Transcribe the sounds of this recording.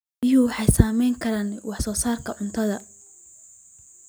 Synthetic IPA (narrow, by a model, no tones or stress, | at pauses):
ɪjʊwɑħɑjsaːmɛjŋkʰɐɾaːnwɑħsɔːsaːrkʰɐʕʊnt̪ʰɐðɐ